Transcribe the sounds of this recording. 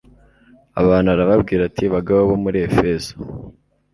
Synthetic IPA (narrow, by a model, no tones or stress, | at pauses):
a̰βaːnuβaɾaβabɡiːɾatiβaɡaβoβomuɾie̞fezo̥